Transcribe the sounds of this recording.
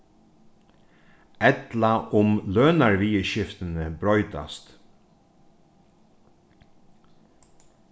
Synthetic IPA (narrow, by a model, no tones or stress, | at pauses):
ɛt̪laʔʊmløːnaɹʋiːəʃɪft̪ənəbɾɔʏt̪a̰st̪